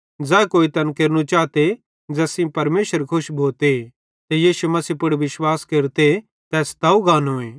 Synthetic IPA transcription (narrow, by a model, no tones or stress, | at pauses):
d͡zɛːkoːit̪ɐnkeːɾnũt͡ʃaːt̪e | d͡zɐsĩpɐɾmeːsəɾkʰʊʃbʱoːt̪e | t̪ejiːʃumɐsiːpʊɽʋɪʃwaːskeːɾt̪e | t̪ɛːst̪ɐːuɡaːnɦõːẽː